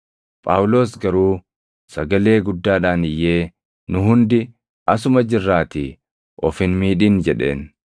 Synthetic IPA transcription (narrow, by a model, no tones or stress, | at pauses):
pʼaːwʊlo̞ːsɡɐɾuː | sɐɡɐle̞ːɡʊd̪ːaːᶑaːnɪjːe̞ː | nʊɦʊnd̪ɪ | ɐsʊmɐd͡ʒɪrːaːt̪i | ʔɔfɪnmiːᶑiːnd͡ʒɛᶑe̞̰ːn